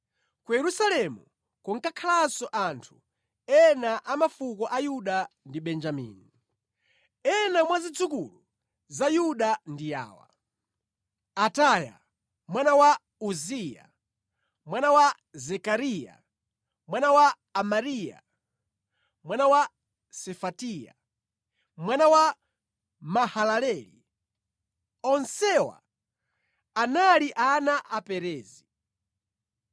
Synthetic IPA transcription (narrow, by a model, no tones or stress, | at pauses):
kujɛɾusalɛmu | kɔŋkakʰalasɔʔantʰu̥ | ɛnaʔamafukɔʔajuɗandiɓɛnd͡ʒamḭːni | ɛnamwazid͡zukulu | zajuɗandija̰ːwa̰ | ataja̰ | mwanawa | uzija̰ | mwanawa | zɛkaɾija̰ | mwanawaː | maɾija̰ | mwanawa | sɛfatija̰ | mwanawa | mahalalɛlḭ | ɔnsɛwa̰ | analiʔanaʔapɛɾɛːzi